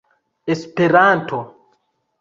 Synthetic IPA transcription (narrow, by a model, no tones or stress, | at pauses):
espeɾantʰo